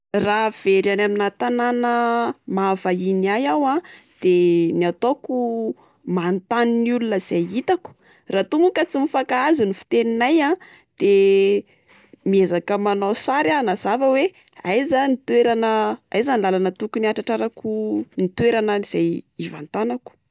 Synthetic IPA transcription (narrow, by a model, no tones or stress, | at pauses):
rav̥eɾanaminat̪ananəmavainiajawa | d̪̥eniat̪oku | mant̪aninulunəiz̥ajit̪aku̥ | rat̪umukət͡simifakaazunifi̥t̪eninaja | d̪̥e | miezakəmanawsaɾanaz̥avəwe | ajzanit̪weɾanəajzanilalanət̪ukuniaʈ͡ʂaʈ͡ʂaɾakunit̪weɾanəiz̥ajiva̰nt̪anaku̥